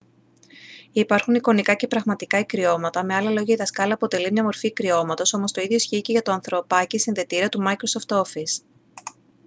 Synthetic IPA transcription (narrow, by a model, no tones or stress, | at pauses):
ipɐɾxuniko̞nikɐce̞pɾɐɣmɐt̪ikɐikɾio̞mɐt̪ɐme̞ɐlɐlo̞ʝɐiðɐskɐlɐːpo̞t̪e̞limɲɐmo̞ɾfiːkɾio̞mɐt̪o̞so̞mo̞st̪o̞iðʝo̞isçiceʝɐt̪o̞ɐnθɾo̞pɐcisinðe̞t̪iɾiɐt̪umɐikɾo̞so̞ft̪o̞fis